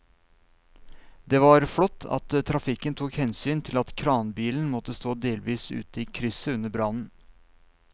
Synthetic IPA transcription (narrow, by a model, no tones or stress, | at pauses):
d̪eːʋɑɾfɔt̪ʰːɑ̰t̪t̪ʰːɾɑfɪkənt̪ʰuːkhɛnsyːnt̪ʰɪlɑt̪kʰɾɑːnbiːln̩mɔt̪ːəst̪oːd̪eːlʋiːsʉ̰ːt̪əiːkʰɾʏsəʉnəbɾɑnn̩